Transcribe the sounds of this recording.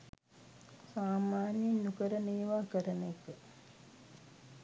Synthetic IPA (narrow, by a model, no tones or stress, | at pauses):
saːmaːnjinukəɾənejʋaːkəɾənəkə